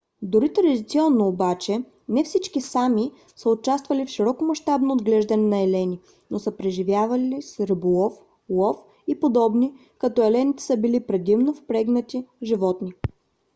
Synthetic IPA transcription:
d̪ʊɾit̪ɾɐd̪ʲit̪siɔnːoːbat͡ʃɛ | nɛfsit͡ʃkisami | səot͡ʃast̪vɐlifʃiɾɔkomɐʃt̪abnood̪ɡlɛʒd̪ənɛnɐɛlɛnʲi | nosəpɾɛʒivjavɐlisɾəbulˠɔf | lˠɔf | ipod̪ɔbni | kɐt̪ɔɛlɛnit̪ɛ̥səbilipɾɛd̪imnofpɾɛɡnət̪iʒivɔt̪ni

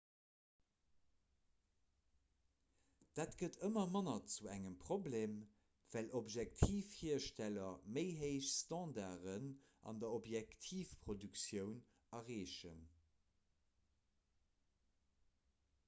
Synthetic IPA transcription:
d̥aːtɡ̥ətəmɐmɑnɐt͡suæŋəmpʁ̥obleːm | v̥ælʔobʒɛk̚tʰiːfhiːɐʃtælɐməɪɦeɪɕstɑ̃ːdaːʁən | ʔɑ̰ndɐobjæktʰiːfpʁodyksjəʊn | ɑʁeːʃə̰n

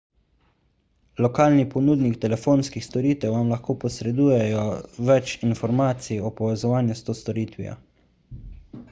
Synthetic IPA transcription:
lɔkaːlnipɔnuːd̪nikt̪ɛlɛfoːnskixst̪ɔɾiːt̪ɛwʋamlaxkoːpɔsɾɛd̪uːjɛjɔʋɛt͡ʃinfɔɾmaːt̪sijiɔpɔʋɛzɔʋaːnjust̪oːst̪ɔɾiːt̪ʋḭja̰

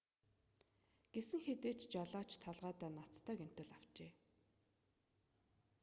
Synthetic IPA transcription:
ɡ̥esɘ̆ŋxet̪eːt͡ɕt͡ɕaɮaːt͡ɕt̪ʰaɮʁaːt̪æːnat͡st̪ʰæːkem̥ʲt̪ɘ̆ɮaw̥t͡ɕeː

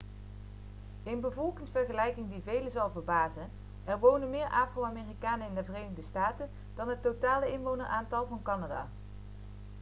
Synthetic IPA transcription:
ɪnbəvɔlˠkɪŋsfɛɹχəlɛjkɪŋdivejləzɑlˠvəɹbaːzən | ɛrʋownənmɪːɹʔaːfrowaːmeːrikaːnəɪndəvərejnɪɣdəstaːtən | d̥ɑnɦətːotaːləɪnʋownəɹʔaːntɑlˠvɑnkɑnada̰ː

